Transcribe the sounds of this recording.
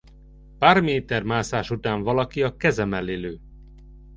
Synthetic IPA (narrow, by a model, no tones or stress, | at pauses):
paːrmeːt̪ɛrmaːsaːʃut̪aːɱvɒlɒkiɒkɛzɛmɛleːløː